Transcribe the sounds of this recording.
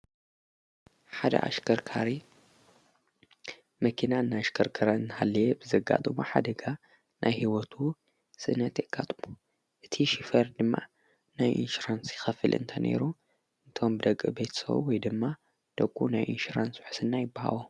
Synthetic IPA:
ħad̪ɐ̰ʔa̰ʃɐɾkʰaɾi | mɐkʰinaɨnːaaʃkʰɐɾkʰɐɾaɨnːɨhalːɐjebɨzɐɡa̰t̪ʼɨmoħad̪ɐɡa | nʔajhiwɔt̪ʰu | sʼɨnɐt̪jɛɡ̥at̪ʼɨmo | ʔɨt̪ʰiʃifɐɾd̪ɨmːa | najʔḭnʃuɾansjɪxɐfɨ̰lʔɨ̰nt̪ʰɐnʔḛɾu | ɨnt̪ʰo̞mbɨd̪ɐkʼːɨbejt̪ʰsɐ̰βṵwɔjd̪ɨmːa | d̪̥ɐkʼːṵnajʔḭnʃuɾanswɨħɨ̥sɨnːajɪbːaha̰wo

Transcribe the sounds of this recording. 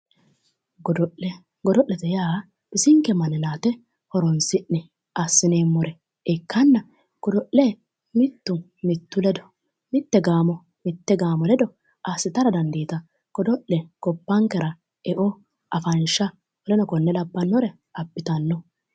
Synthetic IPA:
ɡdɔɛ | ɡɔd̪ɔʔɛt̪ɛjaː | b̥ɪsɪŋkːɛmɐnɪnaːt̪ɛ | hɔɾɔnsɪʔnɛ | ʔasːɪneːmːɔɾɛ | ɛkːɐnːɐ | kɔd̪ɔʔlɛ | mɪt̪ːʊ | mɪt̪ːʊlɛd̪ɔ̥ | mɪt̪ːɛɡaːmɔ | mɪt̪ːɛɡaːmɔlɛd̪ɔ | ʔasːɪt̪ɐɾɐd̪ɐnd̪eːt̪ɐ | kɔd̪ɔʔlɛkɔpːɐŋkɛɾɐ | ɛʔɔ | ʔɐfɐnʃɐ | ɔlɛnɔkɔnːɛlɐbːɐnːɔɾɛ | ɐbːɪt̪ɐnːɔ

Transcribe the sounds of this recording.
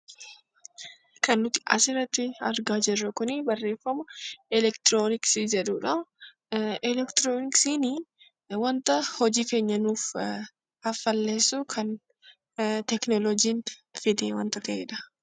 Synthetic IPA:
kɐnːʊt̪ɪ̥ɐ̰sɪɾɐt̪ːɪɐɾɡaːd͡ʒɪrːɐkʊnɪbɐrːe̞ːfːɐmɐɪlɛkt̪ɾoːnɪksid͡ʒɛᶑuːᶑɐ | ɪlɛkt̪ɾoːnɪksini | wɐnt̪ɐhɔd͡ʒiːfeːɲːɐnuːf | ɐfːɐlːe̞ːsːukʰɐn | t̪ɛknɔlɔd͡ʒiːnfɪd̪eːwɐnt̪ɐt̪ɐʔḛːᶑɐ̥

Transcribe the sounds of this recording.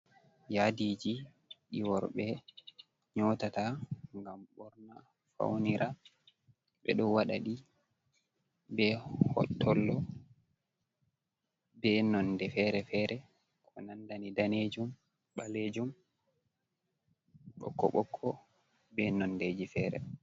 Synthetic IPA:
jadid͡ʒi | ɗiwɔɾɓɛ | ɲɔtataŋɡamɓɔɾna | fa̰wniɾʔa | ɓɛ̰ɗɔwaɗa̰ɗi | bɛhɔ̰tʰːɔlːɔ | bɛnɔndɛfɛɾɛfɛɾɛ | kʰɔnandanidaned͡ʒum | ɓaled͡ʒum | ɓɔ̰kːɔ̰ɓɔkʰːɔ | bɛnɔnded͡ʒifɛːɾɛ̰

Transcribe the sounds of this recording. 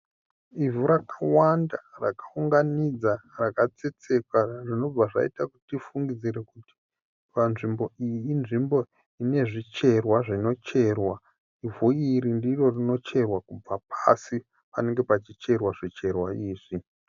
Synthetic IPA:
ivuɾakawandarakauŋɡanid͡zarakat͡se̞t͡se̞kwaʐino̞b͡vaʐa̰ḭtakutifuŋɡid͡ziɾekuti̥ | panʐimbo̞ijiːnʐimbo̞ | ine̞ʐit͡ʃe̞rwaʐino̞t͡ʃe̞rwa | ivuiɾindiro̞rino̞t͡ʃe̞rwakub͡vapʰasi | pane̞ŋɡe̞pat͡ʃit͡ʃe̞rwaʐit͡ʃe̞rwaiːʐi

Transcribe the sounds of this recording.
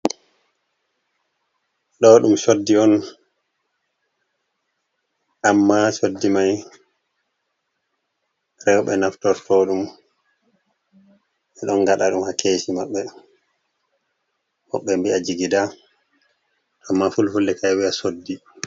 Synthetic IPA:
ɗɔɗumsodːiɔn | ʔamːasodːimaj | ɾɛwɓɛnaftɔɾtʰɔɗum | ʔɛɗɔnɡaɗaɗumhakʰeːsimaɓːɛ | hɔ̰ɓːɛmbiad͡ʒiɡida | amːafulfulːɛkajwiasodːi

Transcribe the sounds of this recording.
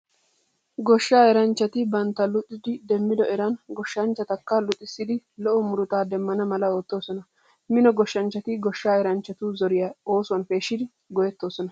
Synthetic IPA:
ɡɔʃːaːɛɾɐnt͡ʃːɐt̪ɪbɐnt̪ːɐlʊt̪ʼːɪd̪ɪd̪ɛmːɪd̪ɔɛɾɐnɡɔʃːɐnt͡ʃːɐt̪ɐkːɐlʊt̪ʼːɪsːɪd̪ɪlɔʔɔmʊɾʊt̪aːd̪ɛmːɐnɐmɐlɐoːt̪ːo̞ːsɔnɐ | mɪnɔɡɔʃːɐnt͡ʃːɐt̪ɪɡɔʃːaːɛɾɐnt͡ʃːɐt̪uzɔɾɪjɐo̞ːsʊwɐnfe̞ːʃːɪd̪ɪ | ɡɔjɛt̪ːo̞ːsɔnɐ

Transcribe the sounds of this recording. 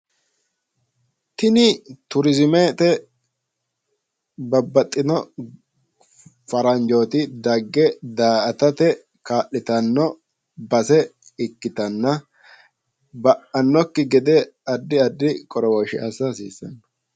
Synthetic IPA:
t̪ɪnɪt̪ʊɾɪzɪmeːt̪ɛ | bɐbːɐt̪ʼːɪnɔ | fɐɾɐnd͡ʒoːt̪ɪd̪ɐɡːɛd̪aːʔɐt̪ɐt̪ɛ | kaːʔɪt̪ɐnːɔ | bɐsɛ | ɪkːɪt̪ɐnːɐ | bɐʔɐnːɔkːɪɡɛd̪ɛɐd̪ːɪɐd̪ːɪkʼɔɾɔwɔʃɪ̰ɐ̰sɐsiːsːɐ̰nːɐ

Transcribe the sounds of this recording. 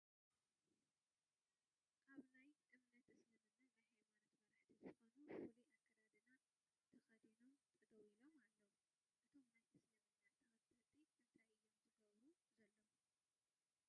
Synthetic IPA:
kʰaβnajʔ̪ʼɨmnɐt̪ʰɨslɨmɨnːɐt̪naħemanɐt̪mɐɾaħt̪ʰizɨxonufuluʔakʼːɐɾɐd̪ɨna | t̪ʰɐxɐd̪inomt̪ʼɨd̪ɐwilo̞malːɐwu | ʔɨt̪ʰo̞mːɐt̪ʰɨsnɨmɐɨnːɐɐɐt̪ʰɨit̪ʰɨnt̪ʰajʔɨjːomzɨɡɐβɾu | zɐlːom

